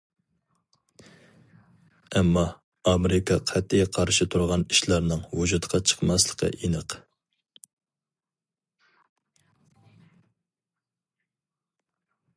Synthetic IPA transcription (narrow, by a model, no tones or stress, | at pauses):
ɛmːɑː | meɾɪkʰɑqʰæt̪ʰːijqʰɑɾʃɪt̪ʰuɾʁɑni̥ʃlɑɾnɨŋwud͡ʒut̪qʰɑt͡ʃʰə̥qmɑslˠəqʰə̰ʔinəq